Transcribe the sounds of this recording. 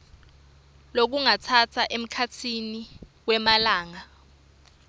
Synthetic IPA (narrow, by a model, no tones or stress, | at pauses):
lok̬uŋatʰatʰaʔem̩kʰatʰiniwɛmalaːŋa